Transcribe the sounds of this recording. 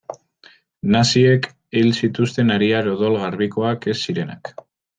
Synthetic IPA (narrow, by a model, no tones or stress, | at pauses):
nasiek | ilsit̪ust̪e̞naɾiaɾo̞ðo̞lɣarβiko̞ake̞sːiɾe̞na̰k